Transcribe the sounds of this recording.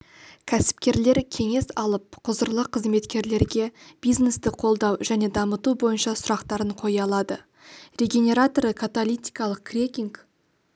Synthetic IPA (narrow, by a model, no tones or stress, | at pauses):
kʲʰæsɪ̥pkʲe̞ɾle̞ɾkʲʰe̞ŋe̞sɑlˠəp̚qʰʊzəɾlˠəqʰːəzme̞t̪kʲe̞ɾle̞ɾɡʲe̞b̥ijzne̞st̪ɪqʰo̞lˠd̪ɑwʒæne̞d̪ɑmət̪ubo̞jənʃɑsʊɾɑqt̪ɑɾəɴqʰo̞jɑlˠɑd̪ə | rʲe̞ɡʲe̞nʲe̞ɾat̪oɾəkʰat̪olʲˠijt̪ʲi̥kɑlˠəq̚krʲekʲiŋk